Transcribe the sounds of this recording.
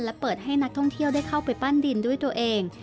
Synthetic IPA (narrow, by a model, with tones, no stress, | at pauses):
nlɛ˦˥pɤː˨˩t̪̚ha˥˩jna˦˥k̚t̪ʰɔ˥˩ŋt̪ʰi˥˩əwdaː˥˩jkʰa˥˩wpa˧jpa˥˩ndi˧ndu˥˩əjt̪u˧ɐʔeː˧ŋ